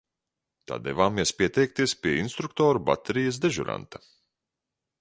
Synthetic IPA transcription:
t̪a̰ːd̪ɛ̰vaːmiɛspʲiɛt̪ɛjk̚t̪iɛspʲiɛinst̪ɾukt̪ɔːɾuba̰t̪ɛɾijɐs̬d̪ɛʒuɾa̰nt̪a

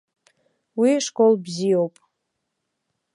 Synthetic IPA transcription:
wiʂkʼolbzijowpʼ

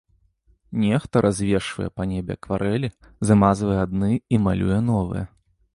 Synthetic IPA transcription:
nʲɛxt̪ɐɾʔazʲvʲeʂvɐ̰jɛ̰pɐnʲebʲɛ̰kvaɾʔɛlʲi | zamazvɐjɛad̪nɨima̰lʲʔṵjɛnɔvɨ̰jɛ

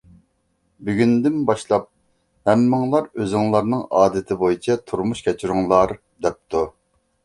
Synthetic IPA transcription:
byɡʲynd̪ɪnbɑʃlˠɑp̚ | hɛmːɪŋlˠɑɾøzɪŋlˠɑɾnɨŋɑːd̪ɪt̪ʰɪbojit͡ʃʰɛt̪ʰuɾmuʃkʲʰɛt͡ʃʰyɾuŋlˠɑɾ | d̪ɛp̚t̪ʰu

